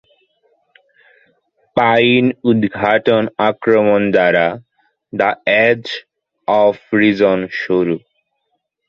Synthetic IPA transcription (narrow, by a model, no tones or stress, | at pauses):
pajnud̪ɡʱaʈonakɾomond̪aɾa | d̪aɛd͡ʑ | ɔfɾid͡ʑonʃuɾu